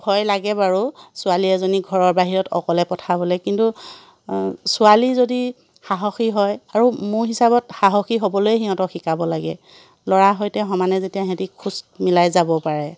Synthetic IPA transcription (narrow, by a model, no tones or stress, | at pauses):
bʱɔjlaɡɛbaɹusʊaliɛzɔniɡʱɔɹɔɹbaɦiɹɔtʰɔkɔlɛpɔtʰabɔlɛkintu | sʊalizodi | xaɦɔxiɦɔjaɹumʊɹɦisabɔtxaɦɔxiɦobɔlojɛɦiɦɔ̃tɔxikabɔlaɡɛ̰ | lɔɹaɦɔjtɛɦɔmanɛzetijaɦɛ̃tikʰusmilajzabɔpaɹɛ